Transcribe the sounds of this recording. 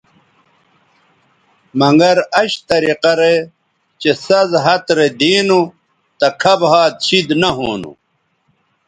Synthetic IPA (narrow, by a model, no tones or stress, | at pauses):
mɐŋɡɐɾɐɕt̪ɐɾiqɐɾe | t͡ɕesɐzɦɐt̪ɾed̪iːnu | t̪ɐkʰɐbɦaːd̪ɕid̪nɐɦoːnṵ